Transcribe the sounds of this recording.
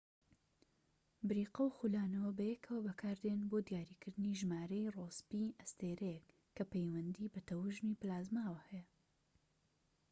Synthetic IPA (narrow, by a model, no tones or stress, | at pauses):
bɨɾiːqɐwxulaːnɐwɐbɐjɛkʰɐwɐbɐkʰaːɾd̪enboːd̪ijaːɾiːkɨɾd̪ɨniʒmaːɾejroːspiʔɐst̪eːɾejɛkʰː | ɐpejwɐnd̪ibɐt̪ʰɐwɨʒniplaːzmaːwɐhɛjɛ